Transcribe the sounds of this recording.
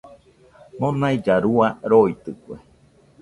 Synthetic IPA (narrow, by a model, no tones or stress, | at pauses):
nonaid͡ʒaɾuaɾoit̪ɨkʷḛ